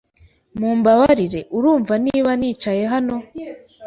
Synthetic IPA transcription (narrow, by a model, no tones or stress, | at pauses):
muːmbaβaɾiɾe̞ʔuɾuːɱvaniːβaniːt͡ʃaje̞ɦano̞